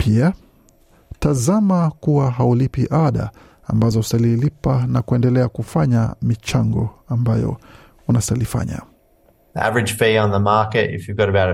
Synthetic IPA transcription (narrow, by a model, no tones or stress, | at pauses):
pʰia | tazamakuwaɦaulipiʔaɗa̰ | ambazɔusalilipanakuɛndɛlɛakufaɲamit͡ʃaŋɡɔ̰ambajɔ̰ | unasalifa̰ɲa̰ | ðiʔæ̰vəɹɨ̥ʒ̥fiə̃nðəmɑɹkɨtɪ̰fjɨɡɔɾəbaʊɾ